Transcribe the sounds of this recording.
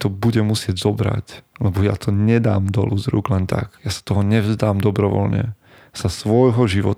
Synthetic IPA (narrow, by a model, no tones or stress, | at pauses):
t̪ɔbuɟɛmusɪɛɟzɔbɾa̰clɛbɔja̰t̪ʰɔɲɛd̪aːmd̪ɔ̰luzɾṵːɡlɛnt̪a̰kjasḁt̪ɔɦɔɲɛvzd̪aːmd̪ɔbɾɔʋɔ̰lɲɛ̰ | sasʋɔjɦɔʒiʋɔt̪